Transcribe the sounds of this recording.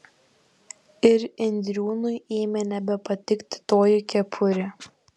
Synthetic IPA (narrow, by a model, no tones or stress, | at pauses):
ɪɾɪnʲd̪ʲɾʲuːnʊjeːmʲɛnʲɛbʲɛpɐt̪ʲɪkt̪ʲɪ̥t̪oːjʊkʲɛpʰʊɾʲɪ